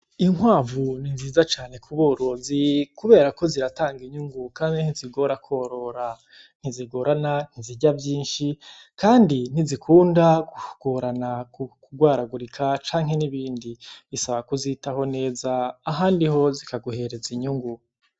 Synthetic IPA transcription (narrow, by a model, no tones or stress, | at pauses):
iŋwaːvuninziːzat͡ʃaːne̞kʰuβoːɾozikuβe̞ːɾako̞ziɾataːŋɡiɲuŋɡukaːniniziɡo̞ɾakʰoːɾo̞ɾa | n̥iziɡo̞ɾanan̥iziɟavjiːnʃi | kaːndin̥izikʰuːndakuɡ̥oɾanakukuɡwaːɾaɡuɾikʰat͡ʃaːŋ̥he̞niβiːndiisaβakuzitaho̞ne̞ːzaːɦaːndiho̞zikaɡuhe̞ɾe̞ziɲuŋɡu